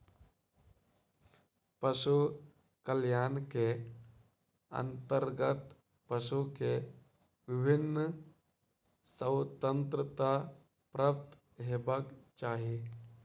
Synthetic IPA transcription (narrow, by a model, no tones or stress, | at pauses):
pəʃu | kəljaːnke | ə̰̃nt̪əɾɡət̪ | pəʃuke | ʋɪbʱɪnː | səwt̪ə̃nt̪ɾət̪a | pɾəpt̪ | ɦeːbəkt͡ʃaːɦi